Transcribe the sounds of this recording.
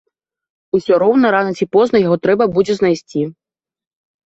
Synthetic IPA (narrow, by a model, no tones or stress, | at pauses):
usʲɔɾɔwnɐɾanɐt͡sʲipɔznɐjaɣɔt̪ɾɛbɐbud͡zʲɛznajsʲt͡sʲi